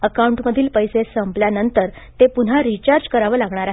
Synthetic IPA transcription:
əkauɳʈməd̪ʱiːlpəjsesəmpljanənt̪əɾ | t̪epun̤aɾit͡ɕaɾd͡zkəɾaʋəlaɡɳ̃aɾaɦ

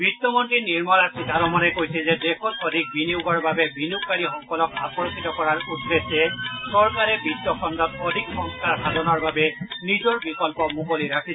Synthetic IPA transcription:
bɹitːɔmɔntɹiniɹmɔnasidʱaɾɔmɔnɛkojsɛzɛdekʰɔtɔdʱik̚biniuɡɔɹbabɛbinukkːaɹixɔŋkɔlɔkapɔɹkitɔkɔɹaɹutːesɛsɔɹkaɹɛbitːɔkʰɔndɔt̚ɔdʱikxɔŋskaɹkalɔnɔɹbabɛnizɔɹbikɔlpɔmukoliɹakʰi

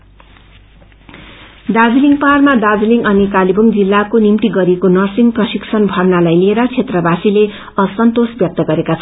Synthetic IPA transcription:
d̪ad͡ziliŋparmad̪ad͡ziliŋɡʌnikalibʌŋd͡zilːakonimt̪iɡʌɾikonʌrsiŋprʌsiksʌnbʱʌrnalajlieɾʌt͡sʰet̪rʌbasile | ʌsʌnt̪osbjʌk̚t̪ʌɡʌɾekat͡sʰʌn

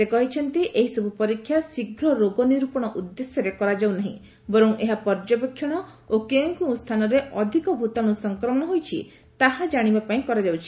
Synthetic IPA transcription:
sekɔɦit͡ʃʰɔnt̪iʔeɦisɔbupɔɾikʰːjasiɡʱɾɔɾoɡɔniɾupɔɽ̃ɔʔud̪ːesjɔɾekɔɾad͡ʒawnaɦḭ̃ | bɔɾɔŋeɦapɔɾd͡ʒɔpekʰːjɔɽ̃ɔ | okeŋkust̪ʰanɔɾeʔɔd̪ʱikɔbʱut̪ɔñusɔŋkɾɔmɔɽ̃ɔɦojt͡ʃʰḭ | t̪aɦad͡ʒaɽ̃ibapaĩkɔɾad͡ʒawt͡ʃʰi̥

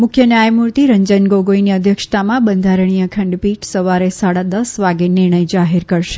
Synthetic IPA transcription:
mʊkʰjənjajmuɾt̪iɾəɲd͡ʒənɡoɡojniəd̪ʱjəkʂt̪amãbənd̪ʱaɾɳ̃ijəkʰə̃ɳɖpiʈsəʋaɾesaɽad̪əsʋaɡenɪɾɳ̃əjd͡ʒaɦeɾkəɾʃe̥

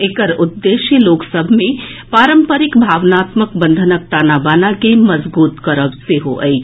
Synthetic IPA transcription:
ekəɾʊd̪ːeːʃiloːksəbʱmẽpaːɾə̃mpəɾɪkbʱaːʋnaːt̪məkbə̃nd̪ʱənək̚t̪aːnabaːnakemɐzbuːt̪kəɾəbseɦo̰ʔə̰i

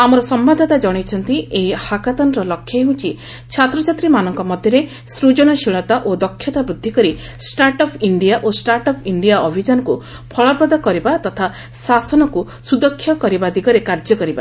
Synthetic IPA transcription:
amɔɾɔsɔmbad̪ʱat̪ad͡ʒɔɽ̃ejt͡ʃʰɔnt̪ieɦihakat̪ɔnɔɾɔlɔkʰjɔeɦũt͡ʃʰi | t͡ʃʰat̪ɾɔt͡ʃat̪ɾimanɔŋkɔmɔd̪ʱjɔɾe | sɾud͡ʒɔɽ̃ɔʃiɭ̃ɔt̪aʔod̪ɔkʰːjɔt̪abɾud̪ʱːikɔɾi | sʈaɾʈɔpʰiɳɖijaʔosʈaɾʈɔpʰiɳɖijaɔbʱid͡ʒanɔku | pʰɔɭɔpɔd̪ɔkɔɾibat̪ɔt̪ʰa | sasɔnɔku | sud̪ɔkʰːjɔkɔɾibad̪iɡɔɾekaɾd͡ʒɔkɔɾiba

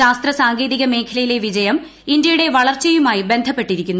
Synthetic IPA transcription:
aːst̪rɐsaːŋɡeːðiɣɐme̞ːkʰɐlɐjile̞ʋid͡ʑɐjɐm | indjɐjuɽe̞ʋɐɭɐrt͡ɕːejumaːjibe̞nd̪ʱɐpːe̞ʈːiɾikʲːunːu

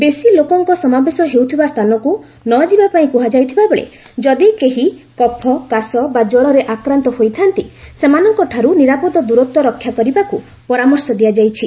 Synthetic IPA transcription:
besilokɔŋkɔsɔmabesɔɦewt̪ʰibast̪ʰanɔku | nɔd͡ʒibapaĩkuɦad͡ʒajt̪ʰibabɔɭḛ | d͡ʒɔd̪ikeɦikɔpʰɔkasɔbad͡ʒoɾɔɾeʔakɾant̪ɔhojt̪ʰant̪isemanɔŋkɔʈʰaɾuniɾapɔd̪ɔd̪uɾɔt̪wɔɾɔkʰːjakɔɾibaku | pɔɾamɔɾsɔd̪iad͡ʒajt͡ʃʰi

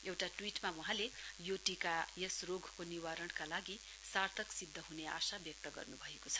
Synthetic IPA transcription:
ewʈaʈwiʈmawʌɦãlejoʈikajesroɡʱkoniwaɾʌɳkalaɡi | sart̪ʰʌksid̪ʱːʌɦunea̰sabjʌk̚t̪ʌɡʌ̰rnubʱʌekot͡sʰʌ̥

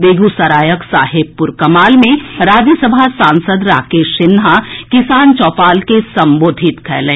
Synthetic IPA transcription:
beːɡusɐɾaːjəksaːɦɪb̚pʊɾkɐmaːlmẽɾaːd͡ʒisəbʱasãːnsəd̪ɾaːkeːʃɪnɦakɪsaːnt͡ʃɔːpaːlkesɐ̃mboːd̪ʱɪt̪kʰɛ̰ːlẽː

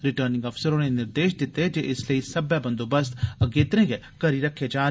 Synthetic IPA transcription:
ɾɪʈəɾnɪ̃ŋɡɔːfsəɾoːnenɪɾd̪eːʃd̪ɪt̪ːed͡ʒeːʔɪsleiːsɐbɛbə̃nd̪oːbəst̪əɡeːt̪əɾẽːɡɛ | kəɾiɾəkʰːeːd͡ʒaː

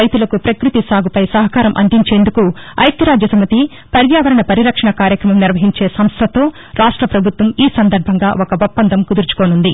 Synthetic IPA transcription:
ɐjt̪ulɐkupɾɐkɾut̪isaːɡupɐjsɐɦɐkaːɾɐmʔɐ̰nd̪iɲt͡ʃe̞ːnd̪ukuɐ̰jt̪ɐɾaːd͡ʒjɐsɐmɐt̪i | pɐɾjaːʋɐɾɐɳɐpɐɾiɾɐkʂɐɳɐkaːɾjɐkɾɐmɐmniɾʋɐɦiɲt͡ʃe̞ːsɐmst̪ʰɐt̪o̞ː | ɾaːʂʈɾɐpɾɐbʱut̪ʋɐmiːsɐnd̪ɐɾbʱɐŋɡaːʔokɐʋopːɐnd̪ʱɐmkud̪uɾt͡ʃu̥koːnund̪i

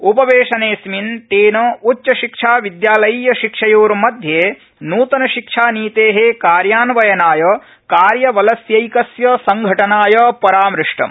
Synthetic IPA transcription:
upɐʋeːʂɐneːsmint̪eːnɐutt͡ʃɐʃikʂaːʋid̪jaːlɐjiːjɐʃikʂɐjoːɾmɐd̪ʱjeː | nuːt̪ɐnɐʃikʂaːniːt̪eːɦekaːɾjaːnʋɐjɐnaːjɐ | kaːɾjɐʋɐlɐsjɐjkɐsjɐsɐŋɡʱɐʈɐnaːjɐpɐɾaːmɾɪʂʈɐ̰m

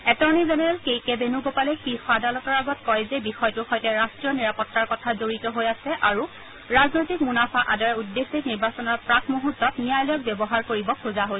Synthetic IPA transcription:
ɛtɔɹnizɛnɛɹɛlkejkɛbenuɡopalɛkixwadalɔtɔɹaɡɔtkɔjzɛbixɔjɔtʊxɔjtɛɹastɹijɔniɹapɔtːaɹkɔtʰazoɹitɔɦojasɛʔaɹu | ɹaznojtik̚munafaʔadɔɹɛudːesiniɹbasɔnɔɹpɹakʰmoɦutːɔtnijajlɔjɔk̚bɛbɔɦaɹkoɹibɔkʰuzaɦoj

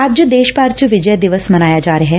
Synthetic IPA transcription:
ab̚d͡ʒoːd̪eːʃpaːɾt͡ʃəʋɪd͡ʒəjd̪ɪʋəsmɐnaːjad͡ʒaːɾəɦɛ

